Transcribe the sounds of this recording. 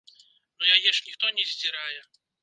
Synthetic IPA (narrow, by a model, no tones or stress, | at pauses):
nujajɛʂnʲixt̪ɔnʲɛzʲd͡zʲiɾajɛ